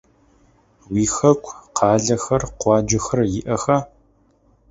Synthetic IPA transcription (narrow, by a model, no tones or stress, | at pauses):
wiːxɐkʷʰʼqʰɑːɮɐxɐrqʷɑːd͡ʒɐxɐrjɪʔɐxaː